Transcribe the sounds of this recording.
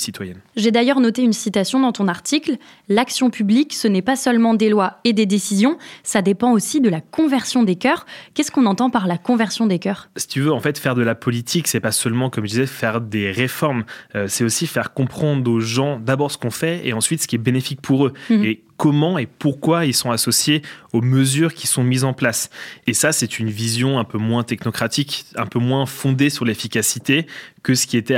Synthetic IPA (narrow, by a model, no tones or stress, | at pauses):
sit̪wajɛnʒed̪ajœʁnɔt̪eynsit̪asjɔ̃d̪ɑ̃t̪ɔ̃naʁt̪ikl | laksjɔ̃pybliksənɛpasœlmɑ̃d̪elwaed̪ed̪esizjɔ̃sad̪epɑ̃osid̪əlakɔ̃vɛʁsjɔ̃d̪ekœʁkʲɛskɔ̃nɑ̃t̪ɑ̃paʁlakɔ̃vɛʁsjɔ̃d̪ekʲœːʁsi̥t̪yvøɑ̃fɛt̪fɛʁd̪əlapɔlit̪ʰiksɛpasœlmɑ̃kɔmʒəd̪izɛfɛʁd̪eʁefɔʁmøsɛosifɛʁkɔ̃pχɑ̃d̪ʁoʒɑ̃d̪abɔʁsə̥kɔ̃fɛḛɑ̃sɥit̪sə̥kʲiɛbenefik̚pʰuʁøe | kɔmɑ̃epuʁkwailsɔ̃asɔsjeoməzyːʁkʲisɔ̃mizɑ̃plasesasɛt̪ʰynvizjɔ̃ɛ̃pømwɛ̃t̪ɛknɔkχat̪ikɛ̃pømwɛ̃fɔ̃d̪esyʁlefikʲasit̪ekəsə̥kʲiet̪ɛ